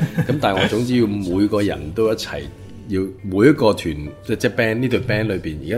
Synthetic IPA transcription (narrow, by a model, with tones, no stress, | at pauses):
kɐ˨˥mt̪aː˨nŋɔː˨˧t͡sʊ˨˥ŋt͡siː˥jiː˧wmuː˨˧jkɔː˧jɐ̰˨˩nt̪o˥wjɐ˥t̚t͡sʰɐ̰˨˩j | jiː˧wmuː˨˧jɐ˥t̚kɔː˧t̪ʰyː˨˩nt͡sɛː˥˩t͡sɛː˥pɛː˥nniː˥t̪o˧ɥpɛː˥nlɵ˨˧piː˨˩njḭː˨kaː˦